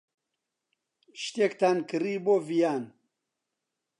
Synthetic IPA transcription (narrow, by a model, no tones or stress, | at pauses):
ʃt̪ekt̪aːnkɨɾiːboːvijaːn